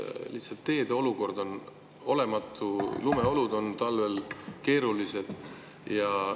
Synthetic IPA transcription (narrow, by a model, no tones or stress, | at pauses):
lihtsɑt̪ːe̞ːd̪̥eo̞luko̞rd̪̥o̞n | o̞le̞mɑt̪ˑːulume̞o̞lud̪o̞nt̪ɑlve̞lke̞ːɾulise̞d̪̥ | jɑ